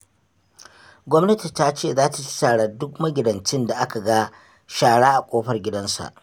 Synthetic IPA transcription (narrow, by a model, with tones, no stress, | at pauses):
ɡʷɔ˦mnɐ˦ti˨ta˦t͡ʃeː˦˨zaː˦ta˨t͡ʃɪ̥˦taː˨ɽaː˨dʊ˦kmɐ˦ɡʲɪ˨dɐ˨nt͡ʃɪ˦nda˨ʔa˦ka˨ɡa˦ | ʃaː˨ɽaː˦ʔa˨kʷʼoː˦ɸɐ˦˨rɡʲɪ˦dɐ˦nsa̰˨ʔ